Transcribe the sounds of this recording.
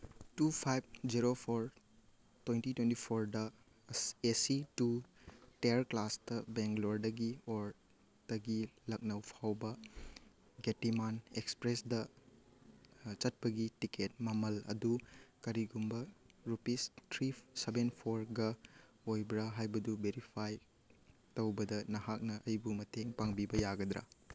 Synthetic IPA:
tupʰajb̚d͡ʒiɾopʰoɾ | twentitwentipʰoɾdɐ | esituteɾklastɐbeŋkloɾdɐɡioɾ | d̥ɐɡilɐk̚nɐwpʰawbɐ | ɡetimanekspɾesdɐ | t͡ʃɐt̚pɐɡitiket̚mɐmɐlɐ̰dukɐɾiɡumbɐɾupistʰɾisebenpʰoɾɡɐ | ojbɾaɦajbɐdubeɾipʰaj | tɐwbɐdɐnɐɦak̚nɐʔɐjbumɐteŋpaŋbibɐjaɡɐd̪ɾɐ̰

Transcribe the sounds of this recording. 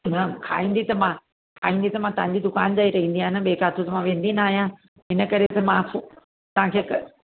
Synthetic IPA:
ɦãkʰa̰ːĩːnd̪it̪ɐmã | kʰaːĩːnd̪it̪ɐmãt̪ɐʋ̤ãɲ̆d͡ʑid̪ʊkaːnd͡ʑaːiɾɐɦĩːnd̪iaːɦɪnə̆ɓeːkaːt̪ʰut̪ɐmãʋẽːn̆d̪inaːɦijã | ɦɪnə̆kɐɾet̪ɐmãf | t̪ɐʋãkʰeːkɐ

